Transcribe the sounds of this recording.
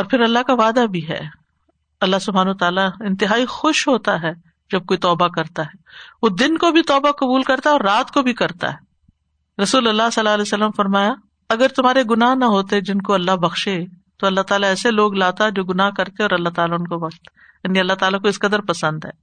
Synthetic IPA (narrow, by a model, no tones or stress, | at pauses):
ɔːɾpʰɪɾɐlːaɦkaʋaːd̪abʱiɦɛ̰ː | ɐlːaɦsʊbʱaːnɐat̪aːlaɪ̃nt̪ɪɦaːixʊʃɦoːt̪aɦɛ | d͡ʒɐb̚koːit̪ɔːbakɐɾt̪aɦɛːʋoːd̪ɪnkobʱit̪ɔːbaqɐbuːlkɐɾt̪aɦɛɔːɾːaːt̪kobʱikɐɾt̪a̰ɦɛː | ɾɐsuːlɐlːasɐlːaɐlɛːsɐlːəmfɐɾmaːja | ɐɡəɾt̪ʊmɦaːɾeɡʊnaɦnɐɦoːt̪ed͡ʒɪnkoɐlːaɦbɐxʃet̪oɐlːaɦt̪aːlaɛːseloːɡlaːt̪aɦɛd͡ʒoːɡʊnaɦkɐɾt̪eɛ̃ɔːɾɐlːaɦt̪aːlaʊnkoʋɐqt̪ | jaːniɐlːaɦt̪aːlakoɪskɐd̪əɾpɐsə̃nd̪ɦɛː